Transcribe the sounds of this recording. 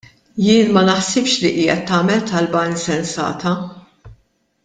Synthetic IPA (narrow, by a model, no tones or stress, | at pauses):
jɪːnmɐnɐħsɪpʃliʔiːɛt̪ːɐːmɛlt̪ɐlbɐɪnsɛnsɐ̰ːt̪ɐ